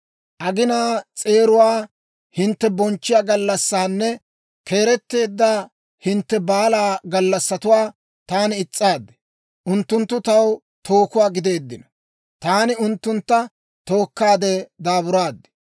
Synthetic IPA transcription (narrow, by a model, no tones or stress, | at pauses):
ʔɐɡɪnaːt͡sʼe̞ːɾʊwaː | hɪnt̪ːɛbɔnt͡ʃːɪjaːɡɐlːɐsːaːnːɛ | kʰe̞ːɾɛt̪ːe̞ːd̪ːa | hɪnt̪ːɛbaːlaːɡɐlːɐsːɐt̪ʊwaː | t̪aːnɪɪt͡sʼːaːd̪ːɛ̥ | ʔʊnt̪ːʊnt̪ːʊt̪ɐw | t̪ʰo̞ːkʊwaːɡɪd̪e̞ːd̪ːɪnɔ | t̪aːnɪʊnt̪ːʊnt̪ːɐ | t̪o̞ːkːaːd̪ɛd̪aːbʊɾaːd̪ːɛ̥